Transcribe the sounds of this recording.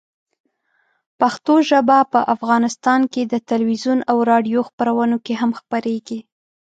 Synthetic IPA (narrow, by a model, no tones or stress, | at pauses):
paxt̪oʒəbapəʔafɣɑnɪst̪ɑnked̪ət̪alwizunawɾɑɖijoxpəɾawənokeɦamxpəɾeɡi